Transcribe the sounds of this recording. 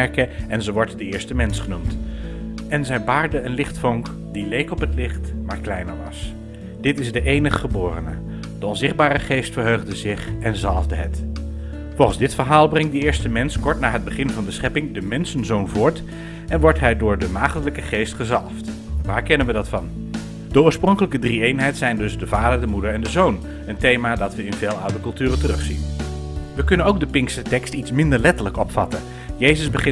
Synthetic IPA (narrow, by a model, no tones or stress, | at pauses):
ɛɹkəɛnzəʋɔɹtdəɪːɹstəmɛnsχənumt | ɛnzɛjnpaːɹdəənlɪχtfɔŋk | dilejkɔpətlɪχtmaːɹklɛjnə̰ɹʋɑ̰s | d̥ɪtɪzdəʔejnəχːəbʊːrə̰nə̰ | d̥əɔnzɪχd̚baːɾəχejstfəɹɦøɥχdəzɪχɛnzɑlˠvdəɦət | fɔlˠχənzdɪtfəɹɦaːlˠbrɛŋt̚dəɪːɹstəmɛnskɔɹtnaːɦəd̚bəχɪnvɑndəsχɛpɪŋdəmɛnsənzownvʊːɹt | ɛnʋɔɹtɦɛjdʊːɹdəmaːχtələkəχejstχəzɑlˠftʋaːɹkɛnənʋədɑtfɑn | d̥əʊːɹsprɔŋkələkədriejnɦɛjtsɛjndɵzdəvaːdəɹdəmudəɹɛndəzown | əntejmaːdɑtʋəɪnveːlˠawdəɹkɵlˠtyːrəntərɵχsḭn | ʋəkɵnənowk̚dəpɪŋkstətɛkstitsmɪndəɹlɛtələkɔpfɑtən | jejzəzbəχɪ